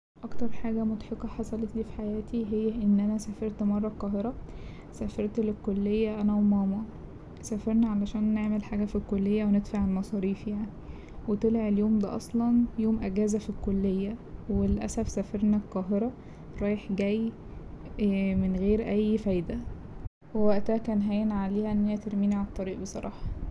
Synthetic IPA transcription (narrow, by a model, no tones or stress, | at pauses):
ʔɑkt̪ɑɾˤħaːɡæmot̪ħekɑħɑsˤɑlet̪liːfi̥ħajæːt̪iɦejːæʔenːʔænæsæfeɾt̪mɑrˤːɑqɑːɦeɾˤɑ | sæfeɾˤt̪lekːolːejːæʔænæwemɑːmɑ | sæːfeɾˤnæʕalæʃæːnːeʕmelħaːɡæfilkolːejːæwened̪faʕalmɑsˤɑːɾiːfjaʕni | wet̪elʕeljoːmd̪æ̰ʔɑ̰sˤlɑnjoːmʔæɡæːzæfilkːolːejːæwelʔæ̰sæfsæfeɾnælqɑːɦeɾˤɑ | ɾˤɑːjeħɡæjː | menɣeːɾʔæjːfæjd̪æ | wewæʔt̪æækæːnɦæːjenʕaleːhæʔenːejæt̪eɾmiːniʕalɑt̪ˤːɑɾiːʔbesˤɑɾˤɑ̰ːħɑ